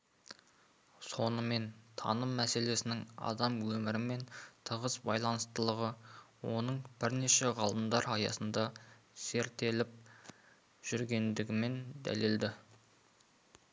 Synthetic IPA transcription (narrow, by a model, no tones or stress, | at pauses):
so̞nəme̞nt̪ʰɑ̰nəmːæse̞le̞sɪnɪŋɑ̰d̪ɑmwɵmɪɾɪme̞nt̪ʰəʁəsbɑjlˠɑnəst̪əlˠəʁəwo̞̰nəɴb̥ɪɾne̞ʃe̞ʁɑlˠəmd̪ɑɾɑjɑ̰sənd̪ɑse̞ɾt̪e̞lɪp̚ | ʒ̥ʏɾɡʲe̞nd̪ɪɡʲɪme̞nd̪æ̰le̞ld̪ɪ